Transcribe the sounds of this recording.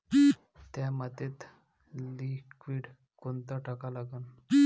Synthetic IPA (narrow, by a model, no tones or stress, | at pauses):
t̪jamat̪et̪ | likʋiːɽ | kont̪aʈʰakalaɡən